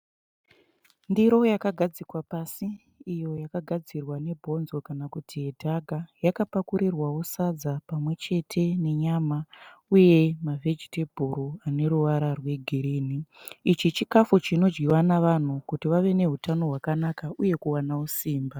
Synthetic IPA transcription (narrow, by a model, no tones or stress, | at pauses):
ndiɾo̞jakaɡʱad͡zikwapasiː | jo̞jakaɡʱad͡zirwane̞bʱo̞nzo̞kanakutʰijedʱaɡʱajakapakuɾirwawo̞sad͡zapamwe̞t͡ʃe̞tʰe̞ne̞ɲamauje̞mave̞d͡ʒitebʱuɾuane̞ɾuʋaɾarwe̞ɡʱiɾiːniit͡ʃit͡ʃikafut͡ʃino̞d͡ʒɡiwanaʋan̤ukutiʋaʋe̞ne̞ɦutano̞ɦwakanakaʔuje̞kuwanawusiːmba